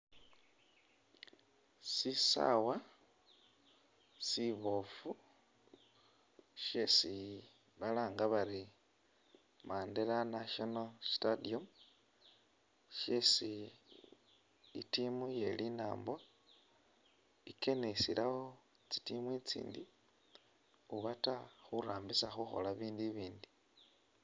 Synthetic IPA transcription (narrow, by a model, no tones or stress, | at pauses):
sisa̰wa | siβofu | ʃesi | βalaːŋɡaβaɾi | maːndelanaʃonalstadiom | ʃesi | itimuje̞lina̰ːmbo | ike̞nesilʔawo | t͡si̥timwit͡sḭːndi | uβataxuɾaːmbisaxuxo̞̰laβiːndiβiːndi